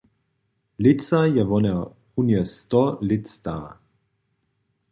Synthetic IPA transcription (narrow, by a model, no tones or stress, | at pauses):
lit͡sajɛvɔnɛ | unjɛst̪ɔlitst̪a̰